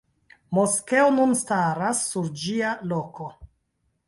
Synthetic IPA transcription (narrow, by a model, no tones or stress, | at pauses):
moske̞onunstaɾasːuɾd͡ʒialo̞ko̞